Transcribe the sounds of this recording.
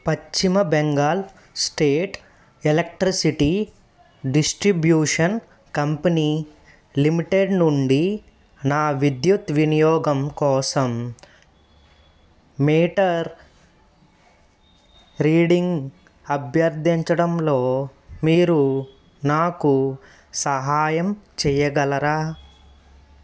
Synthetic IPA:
pɐt͡ʃt͡ʃːimɐbɛŋɡaːl | sʈeːʈ | elek̚ʈɾisiʈi | ɖisʈɾibjuːʂɐn | kɐmpɐniː | limiʈeɖnuɳɖi | naːʋid̪jut̪ʋinijɔːɡɐmkɔːsɐm | miːʈɐɾ | ɾiːɖiŋɡ | ɐbʱjɐɾd̪ʱiɲt͡ʃɐɽɐmlo̞ːmiːɾu | naːku | sɐɦaːjɐmt͡ʃɛːjɐɡɐlɐɾaː

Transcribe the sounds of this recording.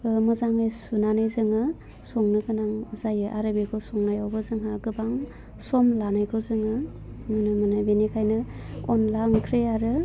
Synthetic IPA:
mɯzaŋɯjsunanɯjzɯŋɯ | sɔŋnɯkʰɯnaŋzajɯʔaɾɯbekʰosɔŋnajawbɯzɯŋɦaɡɯbaŋ | sɔmlanajkʰɯzɯŋɯ | ŋɯnɯmɯnabenikʰajnɯɔnlaŋkʰɾeaɾɯ

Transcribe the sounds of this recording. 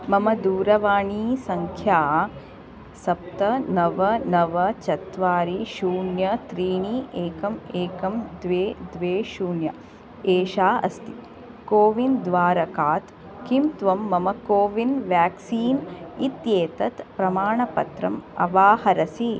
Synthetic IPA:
mɐmɐd̪uːɾɐʋaːɳiːsɐŋkʰjaː | sɐp̚t̪ɐnɐʋɐnɐʋɐt͡ʃɐt̪ʋaːɾiʃuːɳjɐt̪ɾiːɳiʔeːkɐmeːkɐmd̪ʋeːd̪ʋeːʃuːɳjɐ | eːʃaːɐ̰st̪i | koːʋind̪ʋaːɾɐkaːt̪ | kimt̪ʋɐmːɐmɐkoːʋinʋjaːksiːnit̪jeːt̪ɐt̪pɾɐmaːɳɐpɐ̰t̪ɾɐ̰mɐ̰ʋaːhɐɾɐsi

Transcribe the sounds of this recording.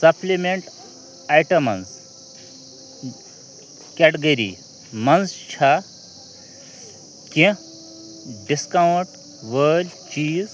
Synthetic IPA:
sɐpʰlimeɳʈ | ajʈɐmɐ̰ns | kɛʈɡɐɾḭ | mɐnst͡ʃʰa | kĩ | ɖiskawuɳʈ | ʋəlʲt͡ʃiːz

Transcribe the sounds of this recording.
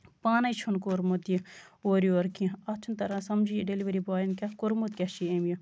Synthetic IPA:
paːnɐjt͡ʃʰunkoɾmot̪ijioːɾijoɾkiĩɐt͡ʃʰunt̪ɐɾãːsɐmd͡ʒijɖeliʋɐɾibaːjinkʲɐkoɾmot̪kʲɐʃiemjo

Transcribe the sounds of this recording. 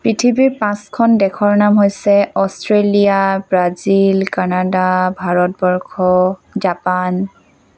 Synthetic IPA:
pɹitʰibiɹpãskʰɔndɛkʰɔɹnamɦojsɛɔstʰɹelijabɹazilkanadabʱaɹɔt̚bɔɹkʰɔzapan

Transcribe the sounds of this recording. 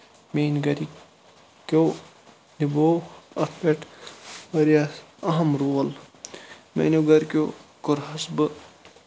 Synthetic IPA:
menɡɐɾi | ko | niboːɐt̪ʰpeʈʋɐɾijaɐɦɐmɾuːɐl | mḛnoɡɐɾʲkʲo̰koɾɦɐsbɨ

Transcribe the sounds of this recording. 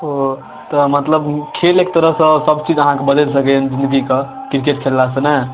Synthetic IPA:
ɦo | t̪ɔmət̪ləbkʰelek̚t̪əɾəɦsə̃səbt͡ʃid͡ʒəɦãkebəd̪ɛlsəkɛnd͡ʒĩnd̪əɡike | kɾikeʈ̚kʰelːasə̃nə

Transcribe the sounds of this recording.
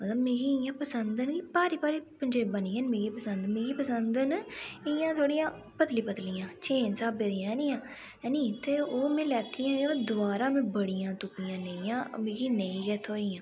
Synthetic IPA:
mət̪ləbmeːɡiːɪjãːpəsənd̪ənɡipaːɾiːpaːɾiːpəɲd͡ʒeːbəniːənmeːɡipəsənd̪meːɡiːpəsənd̪ənɪjãːt̪ʰoːɽijãː | pət̪liːpət̪lijãːt͡ʃʰeːnsaːbeːd̪ijãːɦɛːniːãː | ɛniːt̪eːoːmɛ̃ːlɛːt̪ijãːd̪ʊaːɾaːmẽːbəɽijãːt̪ʊpijãːnəĩjãːmeːɡiːnəĩːkɛːt̪ʰoːɪːãː

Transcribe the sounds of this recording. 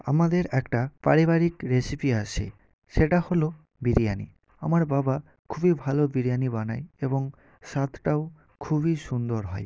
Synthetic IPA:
a̰mad̪eɾɛkʈapa̰ɾibaɾikɾesipiasḛ | ʃeʈaholo | biɾijanḭ | a̰maɾbaba | kʰubibʱalobiɾijanibanajebɔŋ | sat̪ʰʈao | kʰubisund̪ɔɾɦɔj

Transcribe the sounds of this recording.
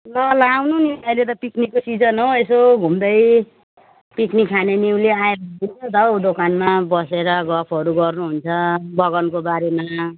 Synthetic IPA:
lʌlawnuniʌjlet̪̬ʌpiknikosid͡zʌnɦowesoɡʱumd̪ʌj | piknikʰːaneniwleaeɾad̪int͡sʰʌt̪ʌwɖokanmabʌseɾʌɡʌpʰʌɾuɡʌrnuɦunt͡sʰʌbʌɡʌnkobaɾema

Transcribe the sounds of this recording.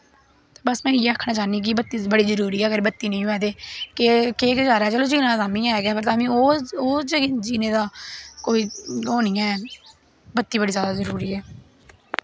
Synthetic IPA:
t̪eːbəsmɛ̃ːiːəkʰːnãːt͡ʃaːnĩːk̬ibət̪ːiːbəɽiːzəɾuːɾiːɛːɡəɾbət̪ːiːnə̃ĩːɛːd̪eːkekeːkəd͡ʒaːɾaːt͡ʃəloːt͡ʃiːnãːd̪aːmĩːãːɦɛːɡɛːpəɾt̪aːmĩːoːoːt͡ʃət͡ʃiːneːd̪aːkoːiːoːniːjãːɛː | bət̪ːiːbəɽiːzjaːd̪aːzəɾuːɾiːɛː

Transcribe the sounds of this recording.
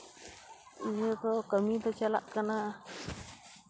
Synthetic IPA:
ijot̪okamĩt̪ot͡ʃala̰ʔkana

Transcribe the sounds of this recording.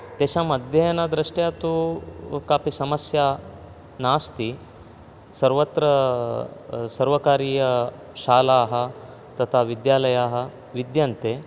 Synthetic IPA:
t̪eːʃamɐd̪ʱjɐjɐnɐd̪ɾɐʂʈjaːt̪ukaːpisɐmɐsjaː | naːst̪i | sɐɾʋɐt̪ɾɐ | sɐɾʋɐkaːɾiːjɐ | ʃaːlaːɦɐ̆ | t̪ɐt̪ʰaːʋid̪jaːlɐjaːɦɐ̆ | ʋid̪jɐnt̪eː

